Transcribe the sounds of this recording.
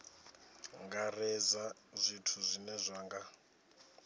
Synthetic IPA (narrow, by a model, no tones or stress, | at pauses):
ŋɡarɛzazʷitʰuzʷinɛzʷaːŋɡa